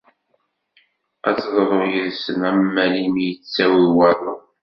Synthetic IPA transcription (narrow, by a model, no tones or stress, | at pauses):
æt͡sːðˤɾˤoʁjəðsəmæmːælimijət͡st͡sːæwiwæðˤo